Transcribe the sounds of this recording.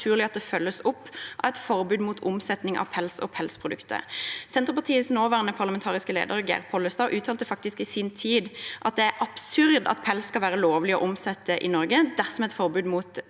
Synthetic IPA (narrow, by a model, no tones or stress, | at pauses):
ʉːʁlɪɑt̪̚d̪ɛfœlːəsʊpːʔɑʋɛt̪fɔɾbʉːd̪muːt̪ʰʊmsɛt̪nɪŋʔɑ̰pʰɛlsɔ̰pʰɛlspʰʁʊd̪ʉkt̪ʰə̰sɛnt̪ʁəpɑʁt̪ʰiːəsnoːʋæːʁnəpʰɑʁləmɛnt̪ʰɑːʁɪskəlḛːd̪əʁɡæ̰ʁpʰɔlːəst̪ɑːʔʉːt̪ʰɑːlt̪əfɑk̚t̪ɪskɪsint̪ʰiːd̪ʔɑt̪̚d̪ɛæɾʔɑb̥sʉɾd̪ɑ̰t̪pʰɛlsːkɑlʋæːʁəloːʋlɪɔ̰ʔɔmsɛt̪ʰːəʔɪnɔɾɡəd̪æʁsɔmɛt̪fɔɾbʉːd̪muːt̪